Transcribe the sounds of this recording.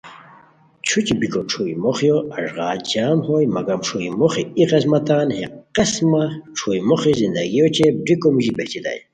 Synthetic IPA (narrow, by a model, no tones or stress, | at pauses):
t͡ɕʰut͡ɕibikoʈ͡ʂʰuimoχjoɐʐʁɑːd͡ʑaːmhojmɐɡamʈ͡ʂʰuimoχiiqesmɐt̪aːnheqesmaʈ͡ʂʰuimoχizind̪a̰ɡijot͡ɕʰebɾikomuʑibeht͡ɕid̪a̰j